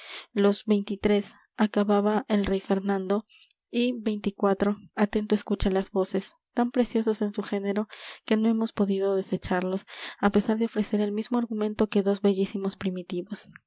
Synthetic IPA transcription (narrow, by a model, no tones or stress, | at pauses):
lo̞zβe̞jnt̪it̪ɾe̞s | akaβaβaʔe̞lrejfe̞ɾnãnd̪o̞ | ibe̞jnt̪ikwat̪ɾo̞at̪e̞nt̪o̞eskut͡ʃalazβo̞se̞s | t̪ampɾe̞sjo̞so̞se̞nsuxe̞ne̞ɾo̞ke̞no̞e̞mo̞spo̞ðiðo̞ðe̞se̞t͡ʃaɾlo̞sape̞saɾðeo̞fɾe̞se̞ɾe̞lmizmoaɾɣumẽ̞nt̪o̞ke̞ðo̞zβe̞ʝisimo̞spɾimit̪iβo̞s